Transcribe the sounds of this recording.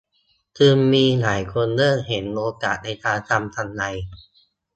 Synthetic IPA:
t̪ʰɯː˧mːiː˧laː˩˦jkʰo˧nlɤː˥˩ŋ̚ɦe˩˦nʔoː˧kaː˨˩t̪̚na˧jt̪ʰaː˧t̪ʰa˧mt̪ʰa˧ŋla˧j

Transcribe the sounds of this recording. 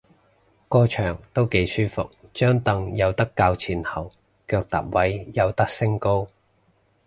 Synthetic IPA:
kɔː˧t͡ʃʰœː˨˩ŋt̪o˥wke˨˧˥jsyː˥fʊ̰˨k̚t͡ʃœː˥ŋt̪ɐ˨˧ŋjɐ˨˧wt̪ɐ˥kːaː˧wt͡sʰiː˨˩nhɐ˨˩w | kœː˧k̚t̪a̰ː˨p̚wɐ˨˥jjɐ˨˧wt̪ɐ˥k̚sɪ˥ŋko˥w

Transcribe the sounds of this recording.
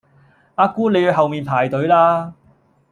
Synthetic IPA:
aː˧kuː˥ne˨˧ji˧wɦɐ˨wmiː˨˩npʰaː˨˩jt̪ɵ˨˥ɥlaː˧

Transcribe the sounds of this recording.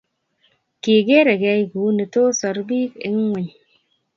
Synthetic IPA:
ki˨ɡe˦ɾe˨ɡɛ˧˦jɡu˨˦ni˨to˦sɔ˨ɾbi˦kḛ˦ŋ˦ŋʷe˨ɲ

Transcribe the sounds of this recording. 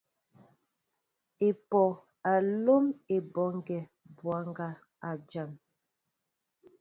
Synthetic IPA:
e˨pɔ˨ | a˨lo˦me˨bɔ˨˦ŋ˦ɡɛ˨ | bwa˨˦ŋ˦ɡa˦ | a˨d͡ʒa˨m

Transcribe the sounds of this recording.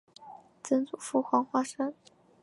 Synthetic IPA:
t͡sə˥nt͡su˨˩fu˥xwɑ˧˥ŋxwa˥ʂə˥ŋ

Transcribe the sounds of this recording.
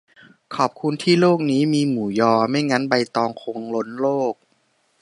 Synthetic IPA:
kʰɔː˨˩p̚kʰu˧nt̪ʰiː˥˩loː˥˩k̚niː˦˥miː˧muː˩˦jɔː˧ma˥˩jŋa˦˥nba˧jt̪ɔː˧ŋkʰo˧ŋlo˦˥nloː˥˩k̚

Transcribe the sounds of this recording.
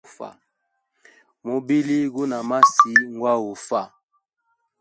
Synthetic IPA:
fa̰˨ | mo˨bi˦li˦ɡu˦na˨ma˦si˨˦ŋ˦ɡwa˦wu˨fa˦˨

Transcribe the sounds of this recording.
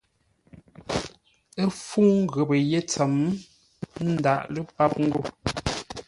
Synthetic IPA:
ə˦fuː˦ŋ̩˦ɣə˨bə˨je˦t͡sə˨m | n̩˦da˨ʔlə˦pa˦p̚ŋ̩˦ɡo˦˨

